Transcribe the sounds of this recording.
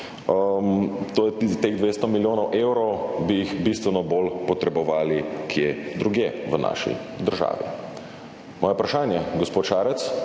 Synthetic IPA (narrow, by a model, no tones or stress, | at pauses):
mt̪oːjɛt̪eɣd̪ʋeːst̪ɔmiljoːnɔwʔewɾɔwbijixbist̪ʋɛnɔbolpɔt̪ɾɛbɔʋaːlikʰjed̪ɾuɡjeʋəna̰ːʃḭd̪əɾʒa̰ːʋḭ | mɔːjɛupɾaʃaːnjɛɡɔspoːt̪ʃaːɾɛt̪s